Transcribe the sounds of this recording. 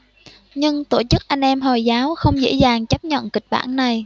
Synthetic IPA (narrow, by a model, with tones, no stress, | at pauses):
ɲɨ˧ŋt̪o˧˩t͡ɕɨ˦˥k̚ʔa˧jŋ̟ʔɛ˧mɦɔ˨˩jzaː˨˦wxə˧wŋ͡mzḛ˧˥zaː˨˩ŋt͡ɕə˦˥p̚ɲə̰˧˨nkï˨˩k̟̚ɓa̰ː˧˩nːa˨˩j